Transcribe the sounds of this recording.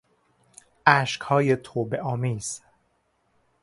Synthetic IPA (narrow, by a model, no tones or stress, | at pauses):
ʔæːʃkhɒːjet̪ʰoːbeʔɒːmiːz̥